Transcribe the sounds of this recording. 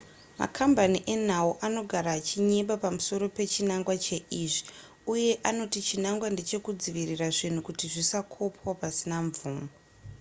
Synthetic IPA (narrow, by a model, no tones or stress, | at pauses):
ma̰kʰambaniʔe̞n̤auʔano̞ɡʱaɾat͡ʃiɲeɓapamuso̞ɾo̞pe̞t͡ʃinaŋɡwat͡ʃe̞ʔiʐi̥ | uje̞ʔano̞tit͡ʃinaŋɡwande̞t͡ʃe̞kud͡ziʋiriraʐin̤ukutiʐisakʰo̞pwapasinaɱvuːmo